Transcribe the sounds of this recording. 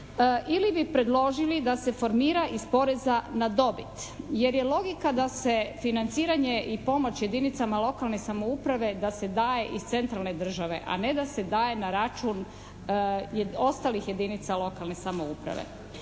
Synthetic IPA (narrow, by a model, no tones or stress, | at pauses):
ʔilibipɾe̞d̪lˠo̞ʒilid̪ase̞fo̞ɾmiːɾaʔispo̞ɾe̞zanad̪o̞bit̪je̞ɾje̞lo̞ɡikad̪ase̞finant̪siːɾaɲeʔipo̞mo̞t͡ɕje̞d̪init̪samalˠo̞kalˠne̞samo̞upɾaʋe̞d̪ase̞d̪aːje̞ʔizt̪se̞nt̪ɾalˠne̞d̪r̩ʒaʋe̞̰ʔa̰ne̞d̪ase̞d̪aːje̞naɾat͡ʃuːn | o̞st̪aːlixje̞d̪init̪salo̞kalˠne̞samo̞upɾa̰ʋḛ